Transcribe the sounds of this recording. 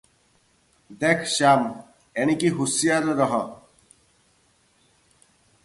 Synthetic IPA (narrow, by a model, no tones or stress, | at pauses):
d̪ekʰʃam | eñikiɦusijaɾɾɔɦɔ